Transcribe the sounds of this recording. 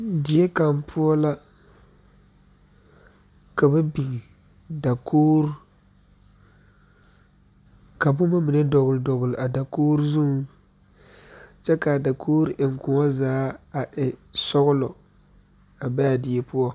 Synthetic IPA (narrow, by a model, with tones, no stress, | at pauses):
dɪ˨jɛ˦ka˨mpʰʊ˦ɔ˦la˦ | ka˨bɛ˦bi˨ŋ˨ | da˨kʰoː˦ɾ | ka˨bʊ˦ma˦mɪ˨nɛ˦dɔ˨ɣʊ˨ldɔ˨ɣʊ˨lʔa˨da˨koː˦ɾu˦zʊ˦ | t͡ʃɛ˦ka˨da˨kʰoː˦ɾʔɪ˨ŋ˨kʊ˨ŋɔ˦zaː˨˦a˨ʔɪ˨sɔ˦ɣʊ˦lɔ˨ | a˨ba˦ja˨dɪ˨jɛ˦pu˦ɔ˦